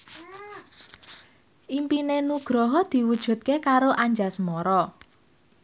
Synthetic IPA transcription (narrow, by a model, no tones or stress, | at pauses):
ʔimpinenuɡ̥ɾɔɦɔd̪̥i̤wud̥ʒ̥ṳt̪̚kekaɾoʔaɲd͡ʒasmɔɾɔ